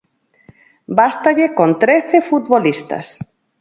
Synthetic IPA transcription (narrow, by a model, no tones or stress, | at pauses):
bast̪aʎekont̪ɾeθefut̪βolist̪ɐ̰s